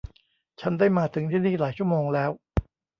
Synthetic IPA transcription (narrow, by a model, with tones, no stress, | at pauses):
t͡ɕʰa˦˥ndaː˥˩jmaː˧t̪ʰɯ˩˦ŋt̪ʰiː˥˩niː˥˩laː˩˦jt͡ɕʰu˥˩əmoː˧ŋlɛː˦˥w